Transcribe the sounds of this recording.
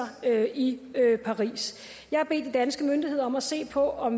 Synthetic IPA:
ɐøiøpʰɑ̈ʁḭːs | jɑ̈ɪhɑ̈b̥e̝̰ːd̥id̥ænsɡ̥əmønd̥ihe̝ðˠɐɒ̽mæse̝̰ːpʰɒ̽ʔɒ̽m

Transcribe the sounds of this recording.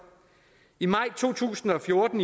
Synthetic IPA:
imɑ̈ɪ̰t͡sʰo̝̰ːt͡sʰṵːsn̩ɒ̽fjo̝ɐd̥n̩

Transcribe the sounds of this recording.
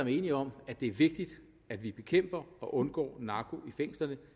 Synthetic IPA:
ɒmæɐe̝ːniɒ̽m̰æd̥e̝æɐʋe̝ɡ̥̚d̥id̥ | æd̥ʋib̥e̝kʰem̰b̥ɐɒ̽ʔɔ̽nɡ̥ɒ̰ːnɑ̈ːkʰo̝ifeŋ̰sl̥ɐnə

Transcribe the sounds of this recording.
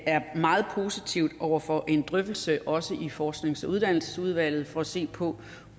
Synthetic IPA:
ʔæɐmɑ̈ːð̩ˠpʰo̝ːsit͡sʰiʊ̰d̥ɒʊ̰ɐfɒ̽ʔe̝nd̥ʁœfd̥l̩səʔɒ̽səʔifɒːsɡ̥ne̝ŋsuð̞ˠd̥æn̰l̩səsuð̞ˠʋæl̰ð̞̩ˠfɒ̽æse̝̰ːpʰɒ̽

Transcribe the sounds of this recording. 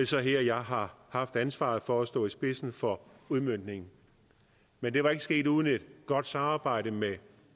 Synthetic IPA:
lsɒɦeɐ̰jɑ̈ɪɦɑ̈hɑ̈fd̥ænsʋɑ̰̈ːð̩ˠfɒːsd̥ɔ̰̽ːisb̥e̝sn̩fɒ̽uðˠmøn̰d̥ne̝ŋn̩ | mend̥e̝ʋɑ̈e̝ɡ̥əsɡ̥e̝̰ːduːð̞ˠn̩e̝d̥ɡ̥ɒ̽d̥sɑ̈mɑ̈ːb̥ɑ̈ɪ̰ɾ̥əme

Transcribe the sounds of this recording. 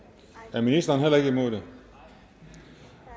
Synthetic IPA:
æɐminisd̥ɐːnɦelɐe̝ɡ̥əimo̝ð̰ˠd̥e

